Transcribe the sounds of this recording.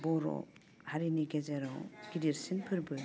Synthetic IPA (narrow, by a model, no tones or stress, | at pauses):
bɔɾɔ̰ | haɾiniɡezeɾɔɡ̥iɾiɾsinpʰɯɾbɯ